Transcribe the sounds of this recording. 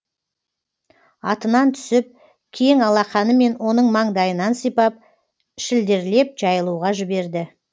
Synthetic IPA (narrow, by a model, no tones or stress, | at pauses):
ɑt̪ənɑnt̪ʰʏ̥sɪp̚ | kʲʰe̞ŋɑlˠɑχɑnəme̞nwo̞nəɴmɑɴd̪ɑjənɑnsijpɑp̚ | ʃɪld̪e̞ɾle̞p̚ʒ̥ɑjəlˠuʁɑʒɪbe̞ɾd̪ɪ